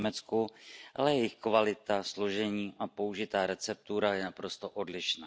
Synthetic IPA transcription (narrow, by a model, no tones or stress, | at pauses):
mɛt͡skuʔa̰lɛjɛjɪxkvalɪt̪aslo̞ʒɛɲiːʔapouʒɪt̪aːɾɛt͡sɛp̚t̪uɾajɛnapɾo̞st̪o̞ʔodlɪʃnaː